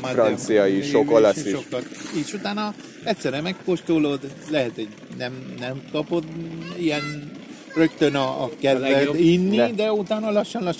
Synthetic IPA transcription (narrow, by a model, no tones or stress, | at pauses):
arɒnt̪sijɒjiʃokolɒsiʃokːɒt̪iʃut̪aːnɒ | ɛc̪ʲsɛrɛmɛkːoʃt̪olod̪lɛɦɛt̪ho̞ɟ | nɛmnɛmkɒpo̞t̪ijɛn | rø̞kt̪ønɒːkɛzɛinːid̪ɛut̪aːnɒlɒʃːɒnlɒʃ